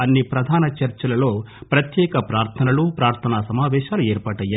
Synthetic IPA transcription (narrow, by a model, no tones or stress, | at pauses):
ɐnːipɾɐd̪ʱaːnɐt͡ʃɐɾt͡ʃɐlɐlo̞ː | pɾɐt̪jɛːkɐpɾaːɾt̪ʰɐnɐlupɾaːɾt̪ʰɐnaːsɐmaːʋɛːʃaːlueːɾpaːʈɐjːa